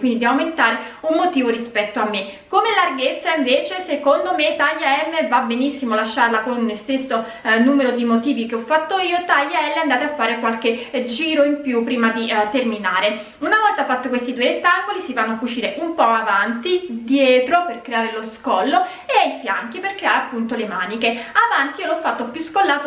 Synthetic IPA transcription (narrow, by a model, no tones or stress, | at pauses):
kwind̪id̪iawment̪aːɾeunːot̪iːvoɾispɛt̪ːoamːe | komelarɡet̪sːaiɱveːt͡ʃesekond̪omet̪aʎːaɛmːevabenisːimolaʃːaɾlakonlost̪esːo | nuːmeɾod̪imot̪iːvikeɔfːat̪ːoiːot̪ajːaɛlːeand̪aːt̪eafːaːɾekwalk̟ed͡ʒiːɾoimpjupːɾiːmad̪it̪erminaːɾe | unavɔlt̪afːat̪ːokwest̪id̪ueɾet̪ːaŋkolisivanːoakːut͡ʃiːɾeʔumpɔavant̪id̪jɛːt̪ɾoperkɾeaːɾeloskɔlːo | eajfja̰ŋk̟iperkɾeaɾeapːunt̪olemaːnikeavant̪iiolɔfːat̪ːopjuskolːaːt̪o